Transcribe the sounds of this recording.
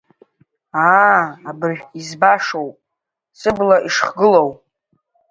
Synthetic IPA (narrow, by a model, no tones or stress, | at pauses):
aːabɨrʒᶣizbaʂowpʼ | sɨblaʔiʂχɡɨlowpʼ